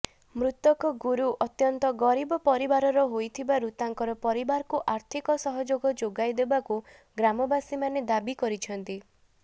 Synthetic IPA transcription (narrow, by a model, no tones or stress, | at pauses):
mɾut̪ɔkɔɡuɾuʔɔt̪jɔnt̪ɔɡɔɾibɔpɔɾibaɾɔɾɔɦojt̪ʰibaɾut̪aŋkɔɾɔpɔɾibaɾɔkuʔaɾt̪ʰikɔsɔɦɔd͡ʒoɡɔd͡ʒoɡajd̪ebaku | ɡɾamɔbasimaned̪abikɔɾit͡ʃʰɔnt̪i